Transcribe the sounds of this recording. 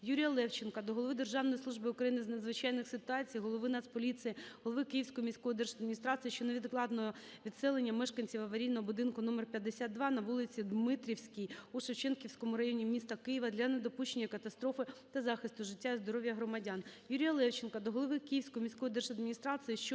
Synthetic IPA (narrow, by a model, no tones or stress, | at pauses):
juɾʲijɐlˠɛwt͡ʃenkɐd̪ɔɦɔlˠʋɪd̪erʒɑwnɔjislˠuʒbɨʊkɾɐjinɪznɐd̪zʋɪt͡ʃɑjnɪxsɪt̪ʊɑt͡sʲijɦɔlˠɔʋɪnɑspɔlʲit̪sɨjiɦɔlˠɔʋɪkɪjiwsʲkɔjɔmʲisʲkɔjid̪ɛrʃɐd̪mʲinʲist̪ɾɑsɨjiʃt͡ʃɔneʋʲid̪klˠɑd̪nɔɦɔ | ʋʲid̪sɛlˠenʲːɐmɛʃkɐnʲt͡sʲiwɐʋɐɾʲinːɔɦɔbʊd̪ɪnkʊnɔmɛrpʲjɐd̪ːesʲat̪d̪ʋɑnɐʋulˠɪt͡sʲid̪mɪt̪ɾʲiwsʲkʲɪjuʃewt͡ʃɛnkʲiwsʲkɔmʊɾɐjɔnʲimʲist̪ɐkɪjɪʋɐd̪lʲɐned̪ɔpuʃt͡ʃenʲːɐkɐt̪ɐst̪ɾɔfɪt̪ɐzɑxɪst̪ʊʒɪtʲːazd̪ɔɾɔʋʲjɐɦɾɔmɐdʲanjuɾʲijɐlˠɛwt͡ʃenkɐd̪ɔɦɔlˠɔʋɪkɪjiwsʲkɔjɔmʲisʲkɔjid̪ɛrʃɐd̪̚mʲinʲist̪ɾɑsɨjiʃt͡ʃɔ